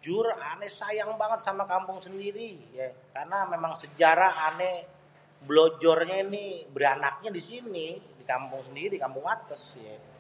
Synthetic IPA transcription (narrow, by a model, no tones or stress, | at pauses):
d͡ʒʊranɛsajaŋbaŋət̪̚samakampʊŋsəndiɾijakarnamemaŋsəd͡ʒaɾaːnɛ | blod͡ʒɔrɲanibəɾianak̚ɲadisinidikampʊŋsəndiɾikampʊŋat̪əsja